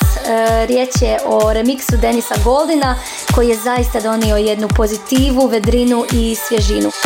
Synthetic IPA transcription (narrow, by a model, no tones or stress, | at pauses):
ɾje̞t͡ɕje̞ʔo̞ɾe̞miksud̪e̞nisaɡo̞lˠd̪ina | ko̞jije̞zajist̪ad̪o̞nio̞je̞d̪nupo̞zit̪iːʋuʋe̞d̪ɾinuʔisʋje̞ʒinu